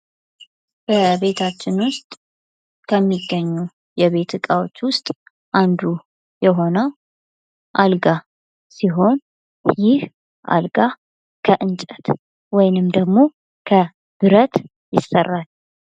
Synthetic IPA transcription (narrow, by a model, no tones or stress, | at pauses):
b̥əbe̞t̪ʰat͡ʃːɪnwʊst̪ʼ | kʰəmːiɡːəɲːu | jɛβe̞t̪ʰɨkʼawo̞t͡ʃːwʊst̪ʼ | ʔand̪u | jɛɦo̞nəw | ʔalɡa | siɦo̞n | jɪh | ʔa̰lɡa | kʰəʔɨnt͡ʃʼət̪ | wɔjnɨmd̪əɡmo̞ | kʰə | b̥ɨɾət̪ | jɪsːərːal